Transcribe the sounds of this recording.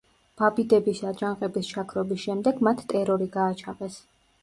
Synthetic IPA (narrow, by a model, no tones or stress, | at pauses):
b̥abid̪ɛbisad͡ʒaŋqʼɛbist͡ʃʰakʰɾɔbisʃɛmd̪ɛɡmat̪ʰt̪ʼɛɾɔɾiɡaːt͡ʃʰaqʼɛs